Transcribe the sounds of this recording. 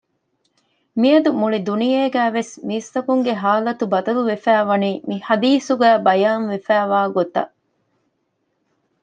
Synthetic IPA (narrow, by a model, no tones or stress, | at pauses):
miɐd̪umuɭid̪unijeːɡæːʋesmiːst̪ɐkuŋɡeɦaːlɐt̪ubɐd̪ɐluʋefæːʋɐniːmihɐd̪iːsuɡæːbɐjaːnʋefæːʋaːɡot̪ɐ̰ʔ